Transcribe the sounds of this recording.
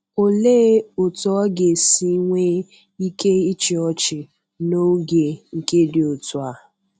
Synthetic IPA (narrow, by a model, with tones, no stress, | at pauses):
o˨leː˦ʊ˨tɔ˨˦ɔ˦ɡe˨si˦ŋʷe˦ | i˦ke˦i˦t͡ʃɪ˨ɔ˦t͡ʃɪ˨ | no˦ɡe˨ŋ̩˨ke˦dɪ˨o˨tʊ˨a˨